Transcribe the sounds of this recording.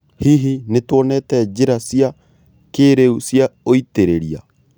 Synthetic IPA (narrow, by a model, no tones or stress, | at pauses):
hiɦinetwɔnɛtɛd͡ʑeɾasia | keːɾeusjaoiteɾeɾia̰